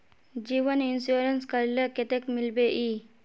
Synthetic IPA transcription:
d͡ʒiːʋənɪnsuːɾənskəɾleket̪ekmɪlbeʔiː

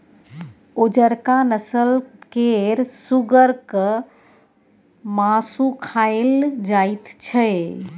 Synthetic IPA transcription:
od͡ʒəɾkanəsəlkeɾsuɡəɾkə | masukʰaeld͡ʒait̪t͡ʃʰə

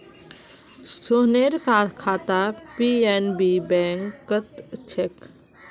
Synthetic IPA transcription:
st̪oneɾkat̪kʰat̪apienbibɛŋkːət̪t͡ʃʰek

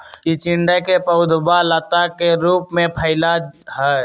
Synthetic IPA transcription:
kit͡ʃɪ̃ɳɖəkepəʊd̪ʱbalət̪akeɾuːpmẽpʰəɪlaɦɛ

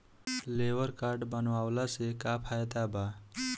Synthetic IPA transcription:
leʋəɾkaɾɖbənʋawlasekapʰajt̪aba

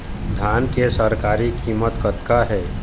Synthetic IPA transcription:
d̪ʱaːnkesəɾkaːɾikimət̪kət̪kaɦɛː

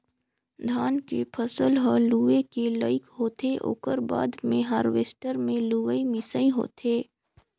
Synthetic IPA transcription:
d̪ʱaːnkepʰəsəlɦəluːʋekeləɪkɦoːt̪eʔo̰ːkəɾba̰ːd̪mẽɦaːɾʋeːsʈəɾmẽluːʋəimɪsəĩɦo̰ːt̪eː

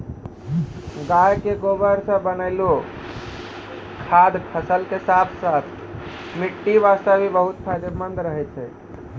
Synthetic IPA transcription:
ɡajkeɡobəɾsə̃bənəɪlo | kʰad̪pʰəsəlkesat̪ʰsat̪ʰ | miʈːiʋast̪əbʱibəɦut̪pʰajd̪emənd̪ɾəɦɛt̪t͡ʃʰɛ

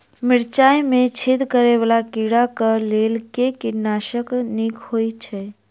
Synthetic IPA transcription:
mɪɽt͡ʃajmẽt͡ʃʰid̪kəɾeʋalakiɽakəlelkekiɾnaʃəknikhojt͡ʃʰɛ

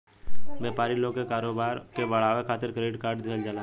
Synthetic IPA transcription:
bɛːpaːɾiloːɡkekaːɾoːbaːɾkebɐɽ̤aːʋekʰaːt̪ɪɾkɾeːɖkaːɾɖd̪eld͡ʒaːla

